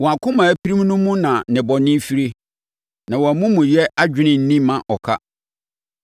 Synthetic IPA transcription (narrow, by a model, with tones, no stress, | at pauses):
wɔ˨a˨kʰʊ̃˦mã˨æ˨pʰi˦ɾĩ˦mnʊ̃˦mũ˦nã˨nɪ̃˨bɔ˨nɪ̃˦fi˦ɾe˦ | nã˨wɔ˨æ˨mũ˦mũ˨jɛ˦ʔa˦d͡ʑᶣɪ˦nɪ̃˨n̩˦nĩ˦mã˨ʔɔ˨kʰa̰˦